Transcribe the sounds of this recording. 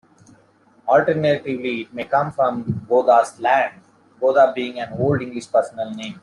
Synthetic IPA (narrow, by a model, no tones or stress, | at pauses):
ɔlʈəɾneʈɪʋliɪʈ̚meːkʌ̃mfɾɔ̃mboːd̪aslæ̃ɳɖ | boːd̪abiːɪ̃ŋɡæ̃noːlɖɪ̃ŋɡlɪʃpəɾsənəlnẽːm